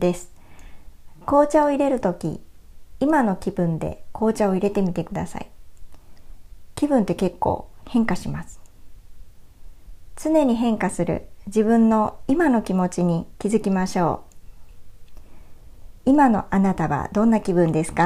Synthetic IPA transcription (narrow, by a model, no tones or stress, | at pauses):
d̪̥e̞sɨ̥ | ko̞ːt͡ɕao̞iɾe̞ɾɯ̟t̪o̞kʲḭ | imano̞kʲib̥ɯ̟̃nd̪e̞̰ko̞ːt͡ɕao̞iɾe̞t̪e̞mʲit̪e̞kɯ̟d̪a̰sa̰i | kʲibɯ̟̃nt̪e̞ke̞kːo̰ːhẽ̞ŋkaɕimasɨ̥ | t͡sɨne̞ɲ̟iɦẽ̞ŋkasɨɾɯ̟̰d͡ʑibɯ̟̃nːo̞imano̞kʲimo̞t͡ɕiɲ̟ikʲizɨkʲimaɕo̞ː | imano̞̰ʔanat̪aβa̰d̪õ̞nːakʲibɯ̟̃nd̪e̞sɨ̥ka